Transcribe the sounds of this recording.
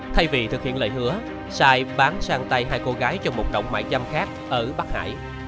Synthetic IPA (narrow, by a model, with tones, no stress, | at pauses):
t̪ʰa˧jvi˨˩t̪ʰɨ˨˩k̚hḭ˧˨ələː˧˨jɦɨ˨˧˦ə | saː˧jɓaː˨˦nsaː˧ŋt̪a˧jɦaː˧jko˧ɣaː˨˦jt͡ɕɔ˧ŋ͡mmo˨˩t̚ɗə̰˧˨wŋ͡m̚ma̰ː˧˥jza˧mxaː˦˥k̚ʔəː˧˩ɓa˦˥k̚ha̰ː˧˨j